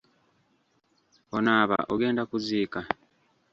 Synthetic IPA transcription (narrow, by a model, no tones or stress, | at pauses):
onaːβa̰ʔoɡe̞ːndakuziːka